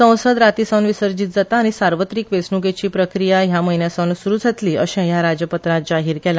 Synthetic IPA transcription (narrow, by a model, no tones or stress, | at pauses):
ə̃w̃səd̪ɾat̪isə̃nʋisəɾd͡ʑiːt̪̚d͡zat̪aːñisaɾʋət̪ɾiːkʋesnuɡet͡ɕiːpɾəkɾijaɦjaməɦinjasənsuɾud͡zʱat̪liːʔəɕɛ̃jaɾad͡ʑəpət̪ɾad͡ʑaɦiːɾkɛla